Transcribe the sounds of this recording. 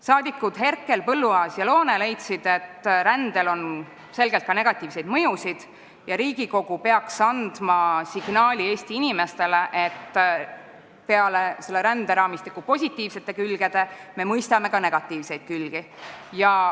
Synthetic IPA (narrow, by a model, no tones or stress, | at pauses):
sɑːd̪ikːˑud̪̥ɦe̞rkˑːe̞lpɤlːuɑːsjɑlo̞ːnele̞jt̪sid̪̥e̞t̪ːɾænd̪̥e̞lo̞n | se̞lɡ̥e̞lt̪kɑne̞ɡ̥ɑt̪ːˑiːvse̞jd̪mɤjusid̪̥ | jɑɾiːɡ̥iko̞ɡ̥upe̞ɑksɑnd̪̥mɑsiɡ̥nɑːlʲieːst̪iinʲime̞st̪e̞le̞ʔet̪ːˑ | pe̞ɑle̞se̞lːe̞ɾænd̪e̞ɾɑːmist̪ikːˑupo̞sʲit̪ːˑiːvse̞t̪ːˑe̞kylɡ̥e̞d̪̥e̞me̞mɤjst̪ɑme̞kɑne̞ɡ̥ɑt̪ːˑiːvse̞jd̪̥̚kylɡ̥ijɑ